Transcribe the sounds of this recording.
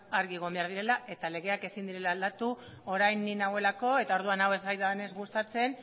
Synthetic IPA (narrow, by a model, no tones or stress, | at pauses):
aɾɣieɣ̞o̞mbe̞aɾð̞iɾe̞laʔe̞t̪ale̞ɣe̞ake̞sind̪iɾe̞laːld̪at̪u | o̞ɾajninawe̞lako̞e̞t̪ao̞ɾðuanawe̞zajðane̞zɣust̪at͡se̞n